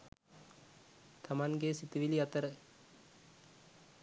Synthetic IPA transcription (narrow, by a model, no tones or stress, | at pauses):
t̪ʰamaŋɡesit̪iʋiliat̪əɾə